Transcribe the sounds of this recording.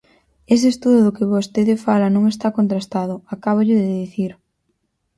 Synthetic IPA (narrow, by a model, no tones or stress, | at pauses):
es̬est̪uðʊðʊkɪβost̪eðɪfalɐnõŋest̪akont̪ɾast̪aðʊakaβ̞ʊʎɪðɪðiθiɾ